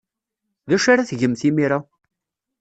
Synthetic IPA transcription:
ðæʃaɾaθʝəmθimiɾa

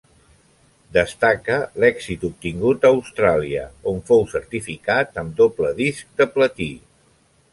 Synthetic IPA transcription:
d̪əst̪akəlɛksit̪up̚t̪iŋɡut̪əːwst̪ɾaliə̰oɱfowsəɾt̪ifikat̪əmd̪opləðisk̚d̪əplət̪i

